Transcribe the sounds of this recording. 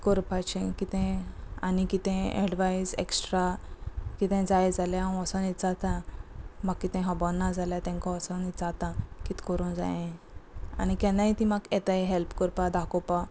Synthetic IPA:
kɔɾpat͡ɕɛ̃kit̪ɛ̃anikit̪ɛ̃ɛ̰ɽʋaisḛksʈɾakit̪ɛ̃d͡zajd͡zaljaãɔsãnit̪d͡zat̪ãmaɡ̚kit̪ɛ̃ɦãbɔnːad͡zaljat̪ɛ̃ŋkɔ̃ɔsanit̪d͡zat̪ãkit̪kɔɾũnd͡za̰jẽ | a̰nikɛ̃naɦit̪ĩmaɡɛt̪aeɦɛlpkəɾpad̪akɔpa

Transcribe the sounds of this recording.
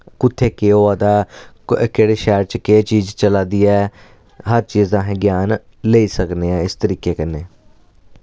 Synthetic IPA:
kʊt̪ʰːeːkeːoːaːd̪aː | keːɽeːʃɛːɾt͡ʃket͡ʃiːzt͡ʃəlaːd̪iːɛː | ɦəɾt͡ʃiːzãːɦɛ̃ːɡjaːn | leːiːsəkneːɛːɪst̪əɾiːkeːkənːeː

